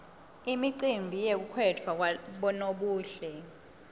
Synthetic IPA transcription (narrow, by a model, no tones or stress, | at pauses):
imiǀimbʱijek̬ukʰwɛtʰwawɓɔnoɓuːɬɛ